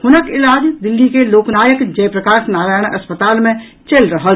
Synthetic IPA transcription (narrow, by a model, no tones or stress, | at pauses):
hʊnəkɪlaːd͡ʒd̪ɪlːikeloːknaːjəkd͡ʒɐjpɾɐkaːʃnaːɾaːjəɽ̃ʔɐspət̪aːlmẽ | t͡ʃelɾɐɦa